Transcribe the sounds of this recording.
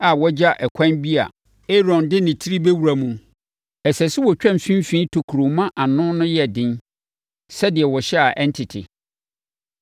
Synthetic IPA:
a˨wɔ˦d͡ʑa˦ʔɛ˨kʷʰã˦nbi˦a̰˨ | e˦ɾɔ̃˨ndɪ˦nɪ̃˨tʰi˦ɾi˦be˦wu˨ɾa˨mũ˨ | ɛ˨sɛ˨sɪ˦wɔ˨t͡ɕᶣɛ̃˦˨m˨fĩ˦m˦fĩ˦tʰo˨kʰu˨ɾo˨mã˦ʔa˨nʊ̃˦nʊ̃˦jɛ˦dɪ̃˦n | sɛ˦dɪ˨ɛ˨wɔ˨ɕɛ˦a˨ʔɛ˦n˦tʰɪ˨tʰɪ̰˨

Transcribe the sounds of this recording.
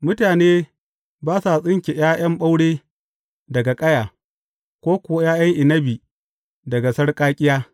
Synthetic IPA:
mʊ˦taː˨neː˦ | baː˦sa˨sʼɪ˦ŋkʲe˨jaː˦j̰ɐ˦mɓa˦wɽeː˦ | dɐ˨ɡa˨kʼɐ˦jaː˨ | kʷoː˦kʷʊ˨wa˦jaː˦jɐ˦ŋʔɪ˨nɐ˦bi˨ | dɐ˨ɡa˨sɐ˦rkʼaː˦kʲʼɪ˦jaː˦

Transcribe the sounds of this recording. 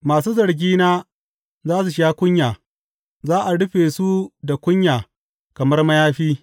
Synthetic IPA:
maː˨s̬uː˦zɐ˨ɾɡʲiː˦naː˦ | zaː˦s̬u˨ʃaː˦kʷʊ˦ɲjaː˨ | zaː˦ʔa˨ɽʊ˦ɸeː˨su˦da˨kʷʊ˦ɲjaː˨ | kɐ˨mɐ˦rmɐ˦jaː˦ɸiː˦

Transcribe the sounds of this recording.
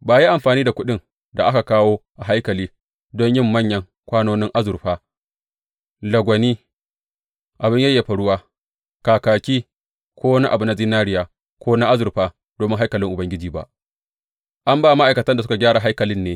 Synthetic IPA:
baː˨ji˦ʔa˨mɸaː˨niː˦da˨kʷʊ˦ɗɪ˦ŋ | da˨ʔa˦ka˨kaː˦woː˦ʔa˨ɦa˦jkɐ˨liː˦ | dɔ˦ɲjɪ˦˨mːɐ˦ɲjɐ˦ŋ | kʷaː˦noː˦nɪ˦ŋʔa˦zʊ˨ɸaː˦ | lɐ˨ɡʷɐ˨niː˦ | ʔa˨bɪ˦ɲjɐ˦jːa˨ɸa˨ɽʊ˦waː˦ | kaː˨kaː˨kʲiː˦ | kʷoː˦na˦ʔa˨bʊ˨na˨ziː˦naː˦ɾɪ˦jaː˨ | kʷoː˦na˦ʔa˦zʊ˨ɾɸaː˦ | d̥oː˨mɪ˦ŋɦa˦jkɐ˨lɪ˦ŋʔʊ˨bɐ˦ŋɡʲɪ˦d͡ʒiː˨ba̰˦ʔ | ʔa˦mbaː˦˨ma˦ʔa˨jkɐ˨tɐ˦nda˨s̬ʊ˦ka˨ɡʲaː˦ɽa˨ɦa˦jkɐ˨lɪ˦nːeː˨˦

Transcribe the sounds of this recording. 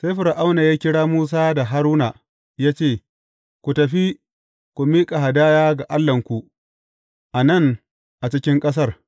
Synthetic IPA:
sa˦ɸʊ˨ɾʔa˦wnaː˨jaː˦kʲɪ˦ɽaː˦muː˦s̬aː˦da˨ɦa˦ɾuː˦na˨ | jaː˦t͡ʃeː˦˨ | kʷu˨tɐ˨ɸi˦ | kʷu˨miː˦kʼa˨ɦa˨daː˦jaː˦ɡa˨ʔa˦lːɐ˨ŋkʷu˨ʔ | ʔa˨nɐ˦˨ŋ | ʔa˨t͡ʃɪ˦kʲɪ˦ŋkʼɐ˦s̬ɐ˦r

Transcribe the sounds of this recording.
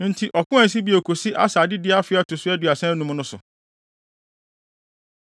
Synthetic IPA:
n̩˦tʰi˦ʔɔ˨kʊ̃˦ɛ˨˦s̬i˦bi˨˦o˨kʰo˨si˦ʔa̰˦sa˨dɪ˦dɪ˦a˦fɪ˦a˦tʰʊ˨sʊ˦æ˦dɥa˨sɛ̃˦nũ˦m̃˦nʊ̃˦sʊ˨

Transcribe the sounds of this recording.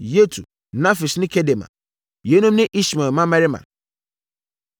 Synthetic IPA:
je˦tʰṵ˨ | nã˦fi˨snɪ̃˦kʰɛ˦de˨mã̰˨ | je˨˦nũ˦mnɪ̃˦ʔi˦ɕmɛ˨mã˦mã˦ɾɪ˦mã̰˨

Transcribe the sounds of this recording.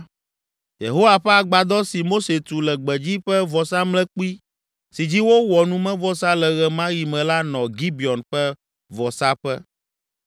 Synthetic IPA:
jḛ˨ɦo˦wa˨ɸɛ˦a˨ɡ͡ba˨d̪ɔ˦si˨mo˦se˨t̪u˨lɛ˨ɡ͡bɛ˨d͡ʑi˦ɸɛ˦vɔ˨sa˦mlɛ̃˦k͡pu˦i˦ | si˨d͡ʑi˦wo˦wɔ˨nũ˦mɛ̃˦vɔ˨˦sa˦lɛ˨ɣɛ˨mã˦ji˨mɛ̃˨la˦nɔ̃˨ɡi˦bi˨ɔ˨nɸɛ˦ | vɔ˨sa˦ɸɛ˦

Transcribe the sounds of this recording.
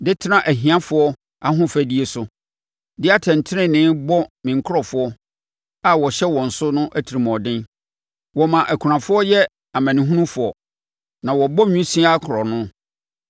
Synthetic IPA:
dɪ˦tʰɪ˦ã˦ʔæ˨ɦĩ˨ã˦fʊ˨˦ɔ˦ | a˦ɦʊ̃˦fæ˨di˦e˨sʊ˨ | dɪ˦a˦tʰɛ̃˨n̩˨tʰɪ˦ɾɪ̃˦nɪ̃˦bɔ˦mɪ̃˨ŋ̩˨kʰʊ˦ɾɔ˨fʊ˦ɔ˦ | a˨wɔ˨ɕɛ˦wɔ̃˨n̩˨sʊ˦nʊ̃˦ʔæ˦tʰi˨ɾi˨mɔ̃˨dɪ̃˦n | wɔ˨mã˨ʔæ˨kʰu˨ɾã˨fʊ˦ɔ˦jɛ˦ | a˨mæ̃˨nɪ̃˨ɦũ˦nũ˦fʊ˨ɔ˨ | nã˨wɔ˨bɔ˦ɲᶣũ˦sĩ˦a˦a˦kʰʊ˨ɾɔ˨nʊ̃˦

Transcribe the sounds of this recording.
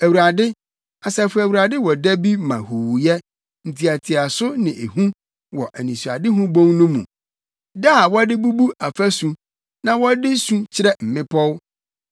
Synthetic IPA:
æ˨wu˨ɾa˨dɪ˦ | a˨sɛ˨˦fʊ˦æ˨wu˨ɾa˨dɪ˦wɔ˨dæ˦bi˦mã̰˨hu˨wjɛ˦ | n̩˨tʰi˨a˨tʰɪ˨a˨sʊ˦nɪ̃˨ʔe˨hũ˦ | wɔ˨ʔæ˨nĩ˨su˨a̰˨dɪ˦ɦũ˦bõ˦ŋnũ˦mṵ̃˨ | da˦˨wɔ˦dɪ˦bu˦bu˦ʔa˨fæ˦sũ˨ | nã˨wɔ˦dɪ˦sũ˦t͡ɕʰɪ˦ɾɛ˦m̩˨mɪ̃˦pʰɔ˦w

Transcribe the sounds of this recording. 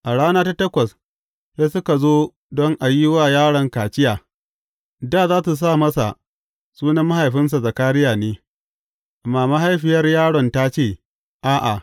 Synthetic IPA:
ʔa˨ɽaː˦naː˦ta˦tɐ˦kʷɐ˨s | se˦sʊ˦ka˨zoː˦ | dɔ˦ŋʔa˨ji˦waː˦˨jaː˦ɽɐ˨ŋkaː˨t͡ʃɪ˦jaː˨ | daː˦˨zaː˦su˨s̬aː˦˨mɐ˦sa̰˨ | suː˦nɐ˦mːa˦ha˨jɸɪ˦ns̬a˨zɐ˨kaː˦ɾɪ˦jaː˨neː˦˨ | maː˨ma˦ɦa˦jɸɪ˨jɐ˦rjaː˦ɽɔ˨nta˦t͡ʃeː˦˨ | ʔaː˦ʔa˨

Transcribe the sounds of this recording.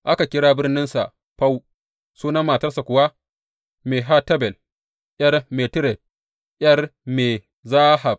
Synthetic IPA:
ʔa˦ka˨kʲɪ˦ɽaː˦bɪ˦rnɪ˦nsa̰˨ʔ | ɸa˦w | suː˦nɐ˦maː˨tɐ˦rsa˨kʷʊ˨wa˦ | meː˨ɦa˦tɐ˦bɛ˨l | ʔjɐ˦rmeː˨tɪ˦ɾɛ˨d̚ | ʔjɐ˦rmeː˨ | zaː˦ha˨b̚

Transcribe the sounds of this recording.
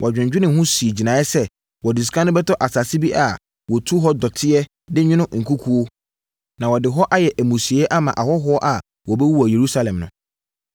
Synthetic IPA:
wʔɔ˨d͡ʑᶣɪ̃˨d͡ʑᶣɪ˦nɪ̃˨ɦʊ̃˦si˨e˨d͡ʑi˨nã˨˦ɛ˦sɛ˦ | wɔ˨dɪ˨s̬kʰã˦nʊ̃˦bɛ˦tʰɔ˦ʔa˨sa˨si˦bi˦ʔa˨ | wɔ˨tʰu˦ɦɔ˦dɔ˨tʰɪ˦ɛ˦ | dɪ˦ɲᶣɪ̃˦nʊ̃˦ŋ̩˨kʰu˦kʰu˦o˦ | nã˨wɔ˨dɪ˨ɦɔ˦ʔa˦jɛ˨ʔæ˨mũ˨si˨ɛ˦ʔa˦mã˨ʔa˨hɔ˦ɦɔ˦ɔ˦ʔa˨ | wɔ˨bɛ˦wu˦wɔ˨je˨ɾu˦sa˦lɛ̃˨mnʊ̃˨

